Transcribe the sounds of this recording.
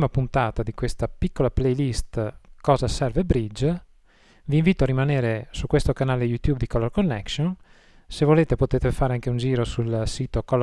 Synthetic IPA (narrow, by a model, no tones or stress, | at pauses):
mapunt̪aːt̪ad̪ikwest̪apikːolaplejlist̪kɔːzasɛrvebɾid͡ʒ | viːɱviːt̪oaɾimaneːɾesukwest̪okanaːlejut̪jubd̪ikɔlːorkonːɛkson | sevoleːt̪epot̪eːt̪efaːɾeaŋkeund͡ʒiːɾosulsiːt̪okɔlː